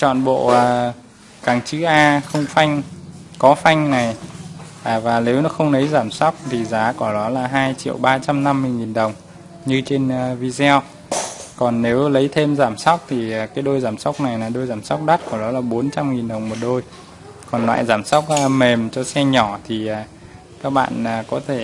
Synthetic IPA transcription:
t͡ɕɔ̰˧˨nɓo̰˧˨ʔəː˨˩ | kaː˨˩ŋt͡ɕɨ˨˦ʔaː˧xə˧wŋ͡mfa˧jŋ̟kɔ˨˦fa˧jŋ̟na˨˩jʔaː˨˩vaː˨˩ne˨˦wnɔ˨˦xə˧wŋ͡mlə˨˦jzaː˧˩msa˦˥wk͡p̚t̪ʰi˨˩zaː˨˦kɔ˧˩ɗɔ˨˦laː˨˩ɦaː˧jt͡ɕḭ˧˨əwɓaː˧t͡ɕa˧mna˧mːɨ˧ŋi˨˩nɗə˨˩wŋ͡m | ɲɨ˧t͡ɕe˧nː˧vi˧zɛ˧w | kɔ˨˩nːe˨˦wlə˨˦jt̪ʰe˧mzaː˧˩msa˦˥wk͡p̚t̪ʰi˨˩˨kaː˨˦jɗo˧jzaː˧˩msa˦˥wk͡p̚na˨˩jnaː˨˩ɗo˧jzaː˧˩msa˦˥wk͡p̚ɗa˦˥t̚kɔ˧˩ɗɔ˨˦laː˨˩ɓo˨˦nt͡ɕa˧mŋi˨˩nɗə˨˩wŋ͡mmo˨˩t̚ɗo˧j | kɔ˨˩nlwa̰ː˧˨jzaː˧˩msa˦˥wk͡p̚ːme˨˩mt͡ɕɔ˧sɛ˧ɲɔ˧˩t̪ʰi˨˩ʔaː˨˩ | kaː˦˥k̚ɓa̰ː˧˨naː˨˩kɔ˨˦t̪ʰe˧˩

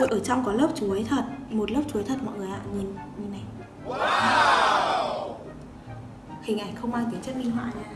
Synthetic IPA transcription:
o˧˨ʔəː˧˩t͡ɕɔ˧wŋ͡mkɔ˨˦ləː˦˥p̚t͡ɕu˨˦ə˦jt̪ʰə˨˩t̚mo˨˩t̚lə˦˥p̚t͡ɕu˨˦əjt̪ʰə˨˩t̚mɔ̰˧˨jŋɨ˨˩əjha̰ː˧˨ŋɨ˨˩ənɲ˧˩na˨˩j | hï˨˩ŋ̟ʔaː˧˩ŋxə˧wŋ͡mʔaː˧ŋt̪ə˨˦t͡ɕə˦˥t̚mi˧ŋɦwa̰ː˧˨j

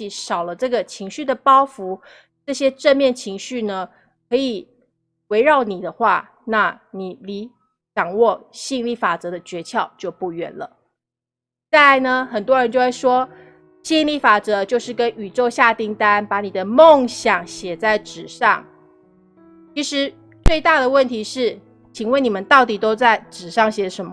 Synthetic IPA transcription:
i˨˩ʂɑ˨˩ʊlə˦ʈ͡ʂɤ˥˩ɡə˩t͡ɕʰi˧˥ŋɕy˥˩d̪ə˩pɑ˥ʊfu˧˦˥ | ʈ͡ʂɤ˥˩ɕjɛ˥ʈ͡ʂə˥˧nmjɛ˥˩nt͡ɕʰi˧˥ŋɕy˥˩nə˩ | kʰɤ˧˥i˨˩ | we˧˥ɪɻɑ˥˩ʊni˨˩d̪ə˦xwa˥˩ | na˥˩ni˨˩li˧˥ | ʈ͡ʂɑ˨˩ŋwɔ˥˩ɕi˥˧ŋli˥˩fa˨˩t͡sɤ˧˥d̪ə˧t͡ɕɥɛ˧˥t͡ɕʰjɑ˥˧ʊt͡ɕjo˥˧ʊpu˥˩ɥɛ̰˧˥nlə̰˨˩ | t͡sa˥˩ɪa˧ɪnə˨xə˨˩nt̪wɔ˦˥ɻə˧nt͡ɕjo˥˧ʊ˥˩ʂwɔ˥ | ɕi˥˧ŋli˥˩fa˨˩t͡sɤ˧˦˥t͡ɕjo˥˧ʊʂɻ̩˥˩kə˦ny˨˩ʈ͡ʂo˥˧ʊɕja˥˧t̪i˥˩ŋt̪a˥˦npa˧˥ni˨˩d̪ə˦mo˥˨ŋɕjɑ˨˩ŋɕjɛ˨˩t͡sa˥˩ɪʈ͡ʂɻ̩˨˩ʂɑ̰˥˩ŋ | t͡ɕʰi˧˥ʂɻ̩˧˥ | t͡swe˥ɪt̪a˥˩d̪ə˩wə˥˩nt̪ʰi˧˥ʂɻ̩˥˩ | t͡ɕʰi˨˩ŋwə˥˩ni˨˩mə˦nt̪ɑ˥˩ʊt̪i˨˩t̪o˥ʊt͡sa˥˩ɪʈ͡ʂɻ̩˨˩ʂɑ˥˩ŋɕjɛ˨˩˦ʂə˧˦˥mə˧˦

